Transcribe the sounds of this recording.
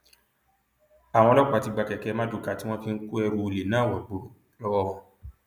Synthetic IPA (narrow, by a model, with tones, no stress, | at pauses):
a˨w̃ɔ̃˧˦lɔ˦kʷti˧ɡ͡ba˧kɛ˨kɛ˨˦mã˦du˨˧ka˦˨ti˦w̃ɔ̃˦ki˦˧ŋ̩˦ku˦ɛ˧ɾu˧o˧ɾe˨nãː˦˨wɔ˨ɡ͡bo˨˦˨ | lɔ˦wɔ˦wɔ̃˧